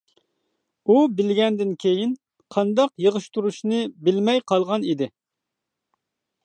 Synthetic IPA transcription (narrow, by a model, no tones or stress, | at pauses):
ubɪlɡʲɛnd̪ɪnkʲʰejin | qʰɑnd̪ɑqjəʁəʃt̪uɾuʃnɨbɪlmɛjqʰɑlˠʁɑnid̪ɪ